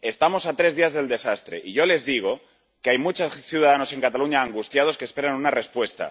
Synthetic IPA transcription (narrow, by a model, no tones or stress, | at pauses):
e̞st̪amo̞sat̪ɾe̞zðiazðe̞ld̪e̞sast̪ɾe̞̰ʔiʝo̞le̞zðiɣ̞o̞ | keajmut͡ʃasθjuð̞aðano̞se̞ŋkat̪aluɲaːŋɡust̪jað̞o̞skespe̞ɾanunare̞spwe̞st̪a̰